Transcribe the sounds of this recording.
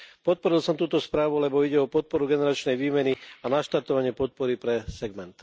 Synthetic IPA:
pɔt̪̚pɔɾilsɔmt̪uːt̪ɔspɾaːʋulɛbɔiɟɛɔpɔt̪̚pɔɾuɡɛnɛɾat͡ʃnɛjʋiːmɛnianaʃt̪aɾt̪ɔʋaɲɪɛpɔt̪̚pɔɾipɾɛsɛɡmɛnt̪

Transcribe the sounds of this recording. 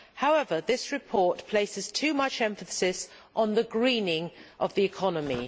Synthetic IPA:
haʊɛvəðɪsɹɪpʰɔˑʔpʰl̥eɪsɪz̥tʰʉːmʌt͡ʃɛ̃ɱfəsɪs | ʔn̩ðəɡɹĩːnɪ̃ŋʔəvðiɪkʰɒnəmḭ

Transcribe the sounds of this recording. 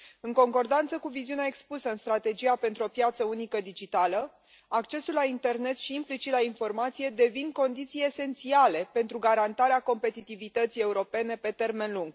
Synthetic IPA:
ɨŋko̞ŋko̞rd̪ant̪səkuviziuneae̞kspusəɨnst̪ɾat̪e̞d͡ʒijape̞nt̪ɾuo̞pjat̪səunikəd̪id͡ʒit̪alə | akt͡ʃe̞sulːaint̪e̞rne̞t̪ʃiːmplit͡ʃit̪lainfo̞rmat̪sije̞d̪e̞vinko̞nd̪it̪sije̞se̞nt̪siale̞pe̞nt̪ɾuɡaɾant̪aɾeako̞mpe̞t̪it̪ivit̪ət̪sije̞uɾo̞pe̞ne̞pe̞t̪e̞rme̞nluŋɡ

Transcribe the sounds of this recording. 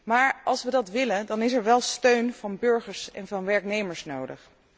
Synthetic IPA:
maːɹɑlˠsʋədɑtʋɪləndɑnɪsɛɹʋɛlˠstøɥnv̥ɑnbɵɹχəɹsɛ̰nvɑnʋɛɹknejməɹsnowdə̰χ

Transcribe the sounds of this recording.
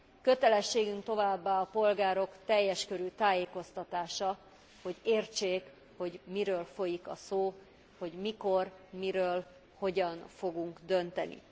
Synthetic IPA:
kø̞t̪ɛlɛʃːeːɡyŋk̚t̪o̞vaːbːaːɒpo̞lɡaːɾo̞kt̪ɛjːɛʃkøɾyt̪aːjeːko̞st̪ɒt̪aːʃɒ | ho̞ɟeːrt͡ʃeːk | ho̞ɟmiɾøːlfo̞jikɒ̰soː | ho̞ɟmiko̞rmiɾøːl | ho̞ɟɒnfo̞ɡuŋkd̪ø̞nt̪ɛ̰nḭ

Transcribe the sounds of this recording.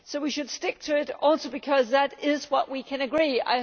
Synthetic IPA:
soʊwiʃɨd̥stɪk̚tʰɨɪɾɔlˠtəbɨkʰʌzðɨɾɪzwʌʔ̚wikʰɨ̃nɨɡɹia̰ɪ

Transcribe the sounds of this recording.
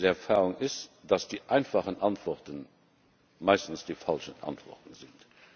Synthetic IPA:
əɛʁfaːʁʊŋɪsd̥ɑsd̥iːʔaɪnfɑχənʔɑntv̥ɔʁtən | maɪstn̩sd̥iːfɑlʃənʔɑ̰ntvɔ̰ʁtən̩zɪnt

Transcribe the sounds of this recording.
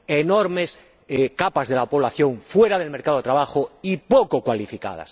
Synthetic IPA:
enoɾmes | kapazðelapo̞β̞laθjoŋfweɾað̞e̞lme̞ɾkaðoet̪ɾaβaxoipokokwalifika̰ða̰s

